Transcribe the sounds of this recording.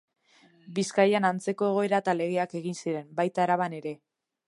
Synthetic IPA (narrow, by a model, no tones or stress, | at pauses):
biskajanant͡se̞ko̞e̞ɣ̞o̞e̞ɾat̪ale̞ɣ̞eake̞ɣ̞insiɾe̞mbajt̪aɾaβane̞ɾe̞